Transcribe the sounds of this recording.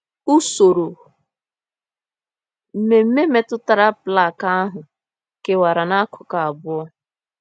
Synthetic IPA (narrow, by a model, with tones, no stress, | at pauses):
ʊ˦so˨ɾo˨ | m̩˨me˨m̩˦me˦me˨tʊ˦ta˨ɾa˦pla˦˨ka˦a˦ɦʊ˨ | ke˨wa˨ɾa˨na˦a˦kʰʊ̥˨ka˨a˨bʊ˦ɔ˦